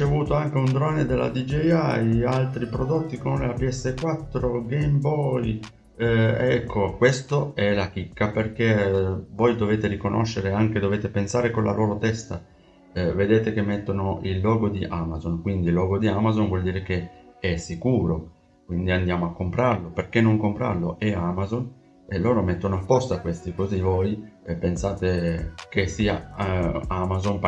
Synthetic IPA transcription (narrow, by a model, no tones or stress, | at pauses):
ɾit͡ʃevuːt̪oaŋk̟eund̪ɾɔned̪elːa̰d̪id͡ʒiajalt̪ɾipɾod̪ot̪ːikonleabiɛsːekwat̪ːɾoɡejmbɔj | ɛkʰːokwest̪oɛlak̟ikːaperkevojd̪oveːt̪eɾikonʔo̰ʃːeɾeaŋk̟ed̪oveːt̪epensaːɾekonla̰lʔoːɾot̪ɛst̪a | ved̪eːt̪ekemːet̪ːonoilːɔːɡod̪iʔamazonkwind̪ilːɔːɡod̪iamazonvwɔld̪iːɾek̟eɛsːikuːɾo | kwind̪iand̪jaːmoakːompɾarloperkenːoŋkompɾa̰rloʔeamazon | eloːɾomet̪ːonoapːost̪oakːwest̪ikozivojpensaːt̪ekesiːa | amazonp